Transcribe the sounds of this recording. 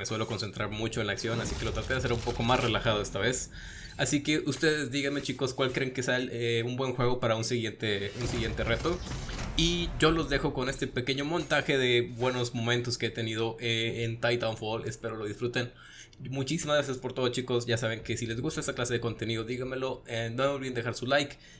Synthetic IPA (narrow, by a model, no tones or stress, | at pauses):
meswe̞lo̞ko̞nse̞nt̪ɾaɾmut͡ʃo̞enlaksjo̞nasikelo̞t̪ɾat̪eðes̬eɾumpo̞ko̞masre̞laxaðoe̞st̪aβe̞s | asike̞ʔust̪e̞ð̞e̞zd̪iɣenme̞t͡ʃiko̞skwalkɾeːŋkesealeumbwe̞nxwe̞ɣ̞o̞paɾaunsiɣjent̪eunsiɣje̞nt̪e̞re̞t̪o̞iʝo̞lo̞zðe̞xo̞ko̞ne̞st̪e̞pe̞ke̞ɲo̞mõ̞nt̪axe̞ðe̞bwe̞no̞zmo̞mẽnt̪o̞skeet̪e̞nið̞o̞ʔeent̪ajt̪awnfuolespe̞ɾolo̞ðisfɾut̪e̞n | mut͡ʃisimazɣɾas̬jaspo̞ɾt̪o̞ðot͡ʃiko̞sʝasaβ̞e̞ŋke̞sile̞zɣust̪aest̪aklase̞ðeko̞nt̪e̞niðoðiɣanme̞lo̞enomeolβiend̪exaɾsulajk